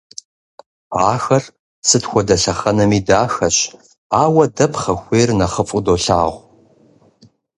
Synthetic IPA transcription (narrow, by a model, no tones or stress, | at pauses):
ʕaːxɐr | sɨtxʷɔdɐɬɐχɐnɐmiːdaːxɐɕ | aːwɐdɐpʰχɐxʷeːrnɐχəfʼʊdoːɬa̰ːʁʷ